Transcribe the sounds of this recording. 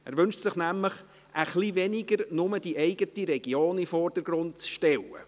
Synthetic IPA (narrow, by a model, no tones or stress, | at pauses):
æ̰ːɾʋʏnʃtsɪχnæmləχ | ʔəχliʋɛnɪɡəɾnʊmədiʔɛɪɡətiɾɛɡ̥joːnifɔːɾd̥əɾɡ̥ɾʊntt͡sʃtɛlːə̰